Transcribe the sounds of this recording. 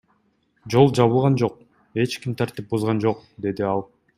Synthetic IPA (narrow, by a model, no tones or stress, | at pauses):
d͡ʒo̞lˠd͡ʒɑβɯlˠʁɑnd͡ʒo̞q̚ | e̞t͡ʃkimt̪ʰɑɾt̪ip̚buzʁɑnd͡ʒo̞qd̪e̞d̪iɑlˠ